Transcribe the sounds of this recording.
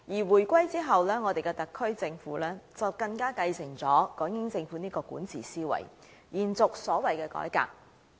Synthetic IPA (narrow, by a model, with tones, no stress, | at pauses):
jiː˨˩wuː˨˩jkʷɐ˥jt͡siː˥ɦɐ˨wlɛː˥ŋɔː˨˧d̪e˨jkɛ˧t̪ɐ˨˩kʰːɵ˥ɥt͡sɪ˧ŋfṵː˨˥lɛː˥t͡sɐ˨wkɐ˧ŋkaː˥kɐ˧jsɪ˨˩ŋt͡sɔː˨˥kɔː˨˥ŋjɪ˨˥ŋt͡sɪ˧ŋfuː˨˥niː˥kɔː˧kuː˨˥nt͡sʰiː˨˩siː˥wɐ̰˨˩j | jiː˨˩nt͡sʊ˨k̚sɔː˨˥wɐ˨jkɛː˧kɔ̰ː˨˥jka̰ː˧k̚